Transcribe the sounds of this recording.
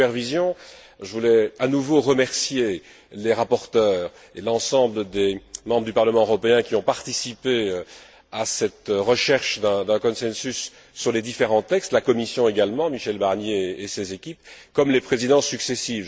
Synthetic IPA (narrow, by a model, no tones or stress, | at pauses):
pɛʁvizjɔ̃ | ʒəvulɛanuvoʁəmɛʁsje | leʁapɔʁt̪œːʁ | elɑ̃sɑ̃bləd̪emɑ̃bʁəd̪ypaʁləmɑ̃øʁɔpeɛ̃kʲiɔ̃paʁt̪isipe | asɛt̪ʁəʃɛʁʃd̪ɛ̃d̪ɛ̃kɔ̃sɛ̃sysː | yʁled̪ifeʁɑ̃t̪ɛkst̪lakɔmisjɔ̃eɡalmɑ̃miʃɛlbaʁnjeːsezekʲipkɔmlepχezid̪ɑ̃syksesiv